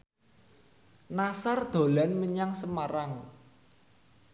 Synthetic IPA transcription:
nasard̪̥o̤lanməɲaŋsəmaɾaŋ

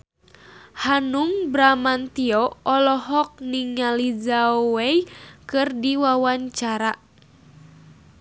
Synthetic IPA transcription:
hanuŋbɾamant̪iɔɔlɔɦɔk̚niŋalid͡ʒawejkɨrdiwawaɲt͡ʃaɾa

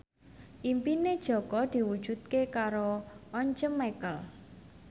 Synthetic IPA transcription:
ʔimpined̥ʒ̥ɔ̤kɔd̪̥i̤wud̥ʒ̥ṳd̪̚kekaɾoɔɲt͡ʃəmːekəl

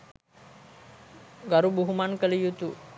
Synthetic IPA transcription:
ɡaɾubuɦumankəlijut̪u

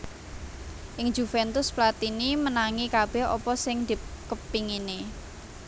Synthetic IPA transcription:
ʔɪŋ̥d͡ʒ̥ufɛnt̪ʊsplat̪inimənaŋikab̥ɛhɔ̰pɔsɪŋd̪̥ipkəpiŋine

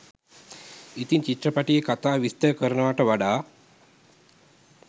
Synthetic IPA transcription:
it̪iɲt͡ʃit̪ːrəpaʈijekat̪aːʋist̪əəkəɾənəʋaʈəʋaɖaː

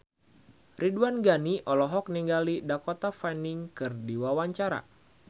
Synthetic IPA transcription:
rʔiduanɡaniʔɔlɔɦɔk̚niŋɡalidakɔt̪afaniŋkɨrdiwawaɲt͡ʃaɾa̰

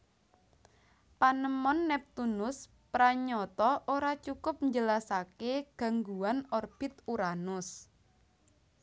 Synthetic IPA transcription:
panəmɔnːɛp̚t̪unʊs | pɾaɲɔt̪ɔʔoɾat͡ʃukʊp̚ɲd͡ʒəlasakeɡ̥a̤ŋɡuwanɔrb̥ɪ̤t̪uɾanʊs

